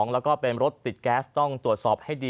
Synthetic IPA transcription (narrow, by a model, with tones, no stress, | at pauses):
ŋləː˧˩kɑː˧˩peː˧mrʊ˦˥t̪ːi˨˩c̚kaː˧st̪ɔ˧ŋt̪u˨ət̪̚sɑ˧˩p̚he˧˥ɗi˧